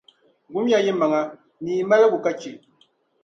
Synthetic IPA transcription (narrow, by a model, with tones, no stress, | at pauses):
ɡu˨˦m˦ja˦jɛ˦ma˨ŋa˦ | niː˨ma˦la˦ɡu˨ka˦t͡ʃi˨